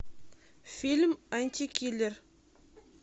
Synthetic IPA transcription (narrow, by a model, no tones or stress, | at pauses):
fʲilʲmanʲt̪ʲikʲʰilʲɘɾ